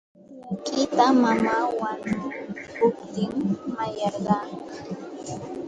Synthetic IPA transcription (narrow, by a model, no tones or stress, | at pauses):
kʼɪpamamawankʊpt̪ɪŋmajaɾɢaŋka